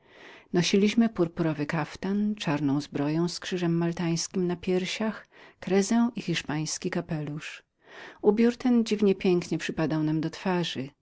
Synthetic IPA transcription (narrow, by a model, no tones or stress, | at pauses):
nɔɕilʲiɕmɘpuɾpuɾɔvɘkaft̪ant͡ʂaɾnɔ̃w̃zbɾɔjɔ̃w̃skʂɘʐɛmːalt̪aj̃skʲimnapʲjɛɾɕax | kɾɛzɛwʔixʲiʂpaj̃skʲikapɛluʂ | ubʲjuɾt̪ɛnd͡ʑivɲɛpʲjɛŋkɲɛpʂɘpad̪awnamd̪ɔt̪faʐɘ